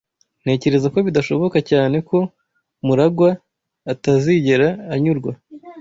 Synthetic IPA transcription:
n̥e̞ːce̞ɾe̞zako̞βidaʃo̞βo̞kacaːne̞ko̞ | muɾaɡwaː | taziɟe̞ɾaːɲuɾɡwa

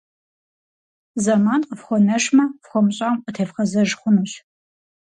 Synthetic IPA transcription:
zɐmaːnqəfχʷɔnɐʂmɐfχʷɔmɕʼamqətʰeːfχɐzɐʒχʷʊnuːɕ

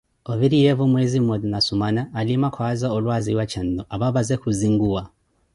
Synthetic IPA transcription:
ɔviɾijɛvumwɛzimɔdnasumanaːlimakʰwazaɔlwaziwat͡ʃʰan̩dɔʔaβaβazɛkuziŋɡuwa

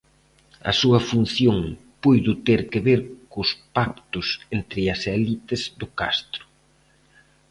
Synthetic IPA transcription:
ɐ̰suɐfun̟θjoŋ | pujðʊt̪eɾkɪβeɾkʊspak̚t̪ʊsent̪ɾɪɐsɛlit̪ɪzd̪ʊka̰st̪ɾʊ̥

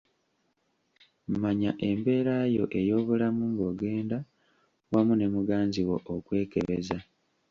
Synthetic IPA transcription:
m̩maɲaʔe̞mbe̞ːɾaːjo̞̰ʔejo̞ːβulamumbo̞ɡe̞ːnda | wamune̞muɡaːnziwo̞ʔːkwe̞ːke̞βe̞za

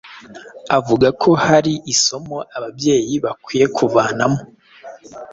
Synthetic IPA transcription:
avuɡakʰo̞haɾiʔiso̞mo̞ʔaβabje̞ːjiβakwiːje̞kʰuvaːnamo

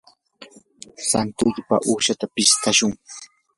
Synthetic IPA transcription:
sant̪ʊʎpa̰ʔuːʃat̪apɪst̪aʃʊŋ

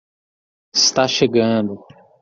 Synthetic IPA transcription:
ist̪aʃeɡɐ̃d̪ʊ

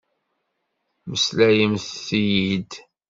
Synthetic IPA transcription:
məslæjəmθθijid̪

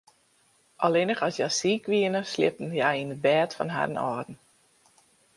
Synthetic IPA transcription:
ʔɔlɪnəχɔsjasiːkʰʋiənəslɪ̰p̚n̩jajinəbɛːtfɔ̰nɦa̰dən̩ɔ̰rdn̩

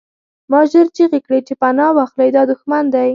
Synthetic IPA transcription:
mɑʒəɾt͡ʃiɣekɽet͡ʃepanɑwɑxlajd̪ɑd̪ʊxmand̪aj

